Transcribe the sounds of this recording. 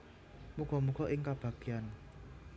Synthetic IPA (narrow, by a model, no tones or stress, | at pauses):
muɡ̥ɔ̤muɡ̥ɔ̤ʔɪŋkab̥ä̤ɡ̥ian